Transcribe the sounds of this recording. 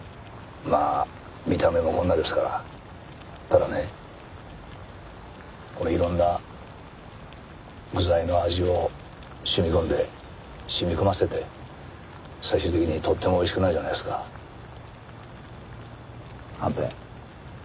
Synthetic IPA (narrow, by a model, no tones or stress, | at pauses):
ma̰ː | mʲit̪ame̞mo̞kõ̞nːad̪e̞sɨ̥kaɾa̰ | t̪ad̪ane̞ | ko̞no̞iɾõ̞nːa | ɡɯzaino̞aʑio̞ | ɕɨmʲikõ̞nd̪e̞ | ɕɨmʲikomase̞t̪e̞ | saiɕɨːt̪e̞kʲiɲ̟it̪ʰo̞t̪ːe̞mo̞ːiɕ̬i̥kɯ̟naiʑana̰jd̪sɨ̥ka | hãmpḛ̃